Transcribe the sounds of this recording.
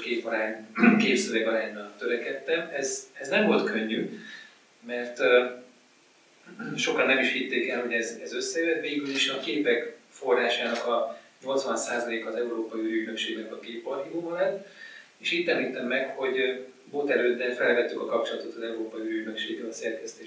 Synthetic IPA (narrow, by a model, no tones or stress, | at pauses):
keːpɒɾaːɲkeːpsøvɛɡɒɾaːɲːɒt̪øɾɛkɛt̪ːɛmɛzɛznɛɱvo̞lt̪kø̞ɲːy | mɛrt̪ | ʃo̞kɒnːɛmiʃhit̪ːeːkɛlho̞ɟɛzɛzø̞sːɛjøt̪veːɡyliʃɒkeːpɛkfo̞rːaːʃaːnɒkɒɲo̞lt̪sʋɒnsaːzɒleːkɒːzɛuɾoːpɒjiyɾyɟnøkʃeːɡnɛkɒkeːpɒrhiɡoːɦɒlɛt̪ː | eːʃiːt̪t̪ɛmiːt̪ɛmːɛkho̞ɟ | boːt̪ɛɾøːd̪ːɛnfɛlvɛt̪ːykɒkɒpt͡ʃo̞lɒt̪ot̪ɒzɛuɾoːpɒjiyɾyɟ̪nø̞kʃeːɡɛɒsɛrkɛst̪eː